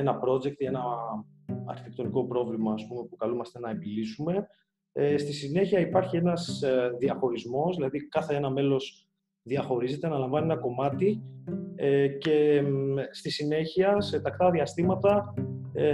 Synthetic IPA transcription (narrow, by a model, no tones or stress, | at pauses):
enɐpɾo̞d͡ze̞k̚t̪ienɐ | ɐ̰ɾçi̥t̪e̞k̚t̪o̞niko̞pɾo̞vlimɐːspume̞pukɐlumɐst̪e̞nɐebilisume̞ | st̪isine̞çiɐipɐɾçie̞nɐzðiɐxo̞ɾizmo̞sðilɐðikɐθe̞enɐme̞lo̞s | ðiɐxo̞ɾize̞t̪e̞nɐlɐɱvɐnienɐko̞mɐt̪i | ece̞ | st̪isine̞çiɐse̞t̪ɐkt̪ɐðiɐst̪imɐt̪ɐ